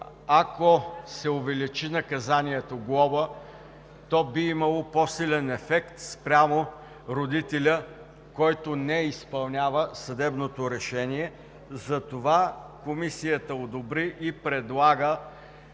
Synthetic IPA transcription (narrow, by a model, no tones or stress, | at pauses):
akosɛʊvɛlit͡ʃinɐkɐzaniɛt̪oɡlˠɔvə | t̪ɔbiimɐlˠopɔsilɛnɛfɛkt̪spɾʲamo | ɾod̪it̪ɛlʲə | kɔjt̪onɛispɐlˠnʲavəsɐd̪ɛbnot̪oɾɛʃɛniɛ | zɐt̪ovakomisijət̪əod̪obɾiʔipɾɛd̪lˠaɡə